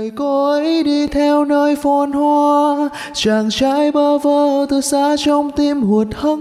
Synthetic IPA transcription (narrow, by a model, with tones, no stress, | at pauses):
jko˧˦jɗi˧t̪ʰɛ˧wnəː˧jfo˧˩nhwaː˧ | t͡ɕaː˨˩ŋt͡ɕa˧˥jɓəː˧vəː˧˩t̪ɨ˧jsa̰ː˧˥t͡ɕɔ˧wŋ͡mt̪i˧mhu˨˩ət̚hə˧